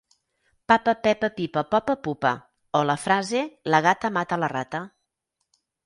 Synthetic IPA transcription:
papəpɛpəpipəpɔpəpupə̰ | oləfɾazeləɣat̪əmat̪ələrat̪ə

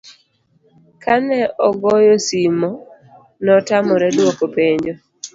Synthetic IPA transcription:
kʰanɛɔɡɔjosimɔ | nɔtamɔɾɛdwokopeɲd͡ʒo

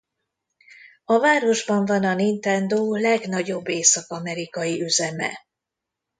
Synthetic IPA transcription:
ɒvaːɾo̞ʒbɒɱvɒnɒnint̪ɛnd̪oːlɛɡnɒɟo̞bːeːsɒkɒmɛɾikɒjiʔyzɛmɛ̰

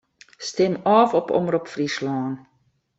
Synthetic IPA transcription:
stɛmɑːfɔpɔ̰mrupfrislɑːn

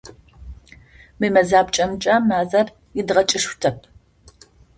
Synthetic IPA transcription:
mɨmɐzaːb̚t͡ʃʼɐmt͡ʃʼaːmaːzɐr | ɪdʁɐt͡ʃʼɪʃʷtʰɐp̚ʰ

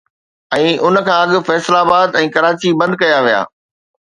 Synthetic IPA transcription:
ɛ̃ːʔʊn̆kʰãːɐɠɪ̆fɛːslaːbaːd̪ɛ̃ːkɐɾaːt͡ɕibɐ̃nd̪̚kɐjaʋija̰ː

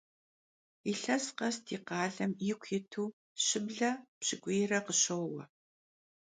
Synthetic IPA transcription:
iɬɐsqɐstʰiːqɑːɮɐmjɪkʷʰjɪtʰuː | ɕɪbɮɐpɕɪɡʷeːrɐqəɕowwɐ̰

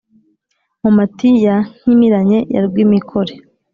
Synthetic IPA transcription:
momatijaɲ̥imiɾaɲe̞ja̰ɾɡwimikʰoɾe

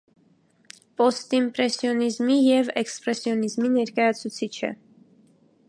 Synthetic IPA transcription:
pɔst̪impɾɛsjɔnizmijɛvɛkspɾɛsjɔnizminɛɾkɑjɑt͡sʰut͡sʰit͡ʃʰə̰

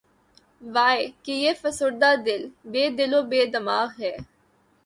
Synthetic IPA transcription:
ʋaːekijeːfəsʊɾd̪aːd̪ɪlbeːd̪ɪloːbeːd̪əmaːɣɦɛː

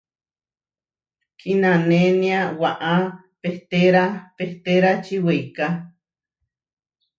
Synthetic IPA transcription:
kʰinãnenĩawaʔa | peht̪eɾapeht̪eɾat͡ʃiwejka

